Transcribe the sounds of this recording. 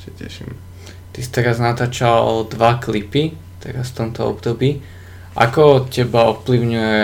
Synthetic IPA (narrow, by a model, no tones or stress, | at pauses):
sacɛ̰ʃḭm | t̪isi̥t̪ɛɾaznat̪aːt͡ʃad̪ʋaklipi | t̪ɛɾasft̪ɔmt̪ɔɔ̰bd̪ɔbiː | ʔa̰kɔcɛbaɔfpliʊɲujɛ